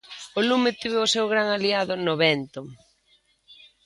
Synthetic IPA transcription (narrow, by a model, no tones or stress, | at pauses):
olumɪt̪iβɪoʊsewɣɾaŋaliaðʊnoβɛnt̪o